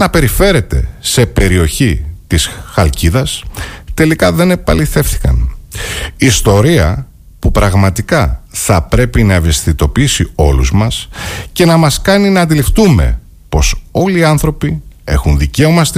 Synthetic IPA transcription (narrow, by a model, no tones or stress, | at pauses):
nɐpe̞ɾife̞ɾe̞t̪e̞̰se̞pe̞ɾio̞çit̪isxɐlciðɐst̪e̞likɐðe̞ne̞pɐliθe̞fθi̥kɐ̰n | iːst̪o̞ɾiɐ | pupɾɐɣmɐt̪ikɐθɐpɾe̞pinɐeve̞st̪it̪o̞piisio̞luzmɐsce̞nɐmɐskɐninɐːnd̪ilift̪ume̞̰ | po̞so̞liːɐnθɾo̞pie̞̰xunðice̞o̞mɐst̪